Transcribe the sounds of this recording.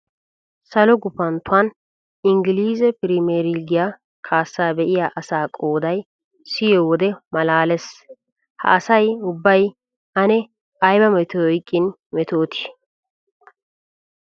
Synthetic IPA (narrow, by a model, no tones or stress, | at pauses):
sɐlɔɡʊpɐnt̪ʊan | ɪŋɡɪliːzɛpɪɾimeːɾiɡɪja | kʰaːsːaːbɛʔɪjaːʔɐsaːkʼo̞ːd̪ɐj | sɪjowɔd̪ɛmɐlaːlɛs | hɐ̰ʔɐsɐjʊbːɐj | ɐnɛ | ɐjbɐmɛt̪oɔjkʼːɪn | mɛt̪oːt̪ʰɪ̥